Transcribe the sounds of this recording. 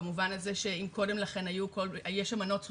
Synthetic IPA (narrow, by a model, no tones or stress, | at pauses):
muvanazeʃeimko̞de̞mlaχe̞najukolajeʃamano̞ts